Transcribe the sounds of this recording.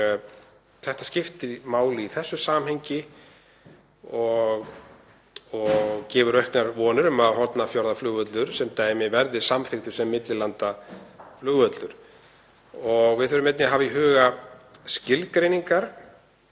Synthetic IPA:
θɛht̪ascɪft̪ɪɾmaːwlɪiθɛsːʏsaːmheɲcɪ | ɔɣ | ɔɣcɛːvʏɾœɥhknaɾvɔːnʏɾʏmaðɦɔɾt̪nafjɔɾðaflʏːɣœt̪lʏɾ̥sɛmt̪aːjmɪvɛɾðɪsamθɪxt̪ʏ̥sɛmːɪt̪lɪlant̪aflʏːɣœt̪lʏɾ̥ | ɔɣvɪðʏɾʏmɛt̪nɪɦaːviɦʏːɣascɪlkɾejniŋkaɾ̥

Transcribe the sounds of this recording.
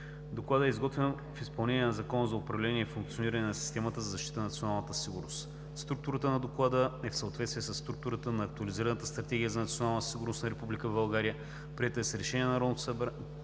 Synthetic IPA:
d̪oklˠad̪əɛizɡɔt̪vɛn | fispɐlˠnɛniɛnɐzɐkɔnəzɐʊpɾɐvlɛniɛfuŋk̚tsioniɾɐnɛnɐsi̥st̪ɛmət̪əzɐzɐʃt̪it̪ənɐt̪sionalˠnət̪əsiɡuɾnost̪ | st̪ɾuk̚t̪uɾət̪ənɐd̪oklˠad̪əɛfsəot̪vɛt̪st̪viɛsɐsːt̪ɾuk̚t̪uɾət̪ənɐːk̚t̪uɐliziɾənət̪əst̪ɾɐt̪ɛɡʲijəzɐnɐt̪sionalˠnəsiɡʊɾnostnɐɾɛpublikəvbɐlˠɡaɾijə | pɾiɛt̪əɛsɛɾɛʃɛniɛnɐɾɔnot̪səbɾ

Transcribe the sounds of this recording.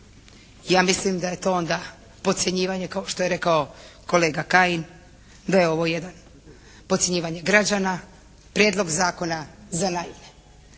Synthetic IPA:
jaːmislimd̪aje̞t̪o̞o̞nd̪a | po̞t̪sjeɲiːʋaɲekao̞ʃt̪o̞je̞ɾe̞kao̞ko̞le̞ːɡakaːjin | d̪ajeo̞ʋo̞je̞d̪an | pot̪sje̞ɲiːʋaɲe̞ɡɾad͡ʒana | pɾjed̪lˠo̞ɡzaːko̞nazanajime

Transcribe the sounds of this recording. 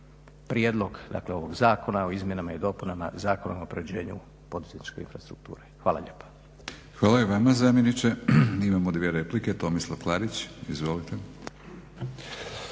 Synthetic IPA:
pɾjed̪lˠo̞ɡd̪a̰kle̞o̞ʋo̞ɡzaːko̞naoizmjenamaid̪o̞ːpunama̰zaːko̞nomopɾeʋd͡ʑe̞ːɲṵ | po̞d̪uz̥et̪ni̥t͡ʃke̞ḭnfɾast̪ɾuk̚t̪ṵːɾe̞xʋaːla̰ʎḛːpḁ | xʋaːlajeʋamazamjenit͡ʃeimamod̪ʋieɾepliket̪o̞mislˠoklˠaːɾit͡ɕizʋolit̪e

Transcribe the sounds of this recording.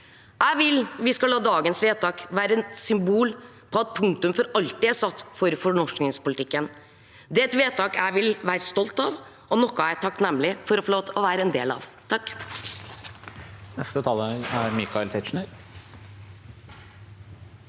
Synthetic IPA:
hæɪʋɪlʋɪskɑlɑːd̪ɑːɡənsʋeːt̪ɑːkʋæːɾəɛsʏmbuːl | pʰɔɑt̪̚pʰʉŋt̪ʉmfɔɾɑlt̪ɪæsɑt̪ːfɔɾfɔɳɔʂknɪŋspʊlɪt̪ɪkːən | d̪ɛt̪ʋeːt̪ɑːkæʋɪlʋæːɾəst̪ɔlt̪ɑʋ | ʔɔnɔkːɔæt̪ʰɑkːnɛmlɪfɔɾɔfɔɭoːt̪ɔʋæːɾəɛnd̪ḛːlɑ̰ːʋt̪ʰɑkː | nɛst̪ət̪ʰɑːləæɾmikɑɪlt̪ʰɛʃɳ̩əɾ

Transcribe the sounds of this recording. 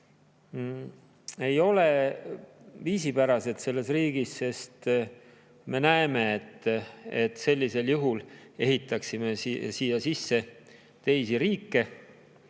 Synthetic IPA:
e̞jo̞le̞ | viːsipæɾɑse̞d̪̥se̞lːe̞sriːɡ̥isse̞st̪ | me̞næeme̞ːt̪ːet̪se̞lʲːise̞ljuɦule̞ɦit̪ːˑɑksime̞siːjɑsisːe̞ | t̪e̞jsiɾiːkːe̞

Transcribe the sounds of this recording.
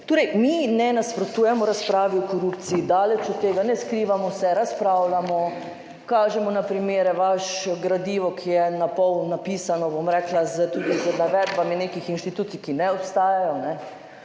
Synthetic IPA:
t̪oːɾɛjminɛnaspɾot̪uːjɛmɔɾaspɾaːʋiɔkɔɾupt̪siːd̪aːlɛt͡ʃɔt̪ːeːɡanɛskɾiːʋamɔsɛɾaspɾaːwlamɔ | kaːʒɛmɔnapɾimeːɾɛʋaʃɔɡɾad̪iːʋɔkʰijɛnapɔwnapisanɔbomɾɛːklazət̪ud̪izənaʋɛd̪baminekixinʃt̪it̪uːt̪sikinɛɔpst̪aːjajɔnɛ

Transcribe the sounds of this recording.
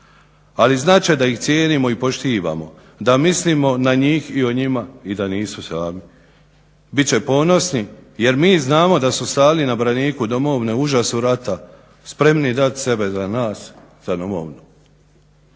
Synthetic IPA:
aliznaːt͡ʃed̪aixt̪sjeːnimo̞ipo̞ʃt̪iːʋa̰ːmo | d̪amisliːmo̞naɲiːxio̞ɲimaid̪aniːsusaːmi | bitt͡ɕe̞po̞ːno̞snije̞ɾmiːznaːmo̞d̪asusaːlinabɾaniːkud̪o̞mo̞ʋneuʒasuɾat̪a | spɾe̞mnid̪at̪se̞be̞zanaːs | z̥ad̪o̞mo̰ʋnu

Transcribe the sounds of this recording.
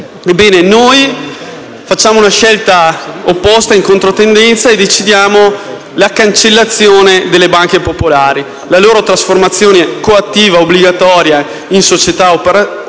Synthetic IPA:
ebːɛːnenoj | fat͡ʃːaːmounaʃɛlt̪aopːɔst̪aiŋkont̪ɾot̪end̪ɛnt̪saed̪et͡ʃid̪jaːmo | lakant͡ʃelːat̪sːjoːned̪elːebaŋkepopolaːɾi | laloːɾot̪ɾasformat̪sːjoːnekoat̪ːiːvaobːliɡat̪ɔːɾja | insot͡ʃet̪aopeɾa

